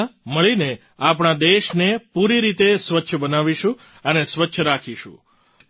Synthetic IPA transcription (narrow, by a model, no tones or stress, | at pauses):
məɭine | apɳad̪eʃnepuɾiɾit̪esʋətːʃʰəbənaʋiʃũ | ənesʋətːʃʰəɾakʰiʃṵ̃